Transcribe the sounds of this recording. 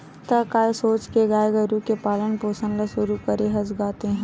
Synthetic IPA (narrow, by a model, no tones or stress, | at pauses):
t̪ɐkaːesoːt͡ʃkeɡaːeɡɐɾukepaːlənpoːsənlɐsʊɾukɐɾeɦɐsɡaːt̪eɦɛ̃